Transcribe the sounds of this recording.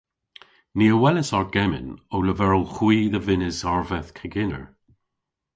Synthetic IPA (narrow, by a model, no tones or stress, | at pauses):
niːəwɛləsɔɹɡ̥ɛmɪ̰nowləvɛɹəlˠxwiːðəvɪnɪzɔɹvɛθkʰəɡɪnə̰ɹ